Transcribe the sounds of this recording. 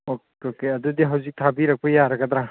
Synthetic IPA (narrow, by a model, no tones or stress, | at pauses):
ok | okeɐd̪ud̪iɦawzik̚t̪ʰabiɾak̚pajaɾakʰat̪ɾa